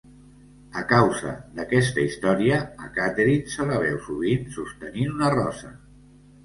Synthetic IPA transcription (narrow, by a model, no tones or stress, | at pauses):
əkawzə̰ðəkɛst̪əist̪ɔɾiə̰ːkat̪eɾinsələβɛwsuβ̞insust̪əninunərɔ̰sə